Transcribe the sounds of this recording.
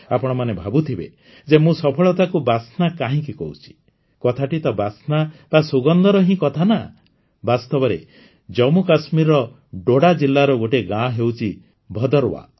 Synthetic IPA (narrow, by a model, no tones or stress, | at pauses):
apɔɽ̃ɔmanebʱabut̪ʰibḛ | d͡ʒemũsɔpʰɔɭɔt̪akubasnakaɦĩkikɔɦut͡ʃʰi̥ | kɔt̪ʰaʈit̪ɔbasnab̥asuɡɔnd̪ɔɾɔɦĩkɔt̪ʰana̰ | bast̪ɔbɔɾe | d͡ʒɔmukasmiɾɔ | ɖoɽad͡ʒilːaɾɔɡoʈeɡãɦewt͡ʃʰi | bʱɔd̪ɔɾwa̰